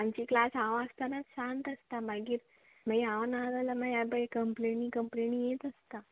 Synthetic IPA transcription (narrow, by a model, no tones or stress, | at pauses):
ãmt͡ɕiːklasaʋast̪anat̪ɕant̪əst̪amaɡiːɾ | məiaʋənad̪aləmajabəekəmplenĩːkəmplenĩjet̪əst̪a